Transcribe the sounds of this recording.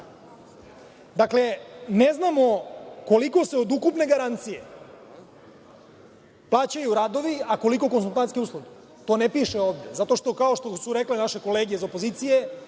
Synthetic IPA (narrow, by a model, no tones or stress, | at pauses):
d̪akle̞neznamo̞ko̞liko̞se̞o̞d̪ukupne̞ɡaɾant̪sije̞ | plˠaːt͡ɕajuɾaːd̪o̞ʋiako̞liko̞konsulˠt̪ankeuslˠod̪e | t̪o̞ːnepiʃeoːʋd̪e̞zat̪o̞ʃt̪o̞kao̞ʃt̪osuɾeklenaʃe̞ko̞leːɡezopo̞zit̪sije